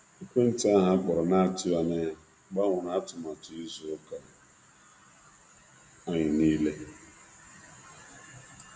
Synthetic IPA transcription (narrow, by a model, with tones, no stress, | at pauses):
i˦kʷe˦n̩˦ta˦a˦ɦa˦bɔ˨ɾɔ˨na˦a˨tɪ˦wa˨ne˦ | ɡ͡ba˦ŋʷʊ˨na˨a˦tʊ˨ma˨tʊ˨i˦zo˦ka˨ | a˦ɲɪ˨niː˦le˦